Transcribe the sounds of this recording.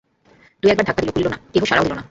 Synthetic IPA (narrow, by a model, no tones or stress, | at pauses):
t̪umiɛkbaɾd̪ak̚pad̪ilokulilonat̪eɦoʃaɾaodilona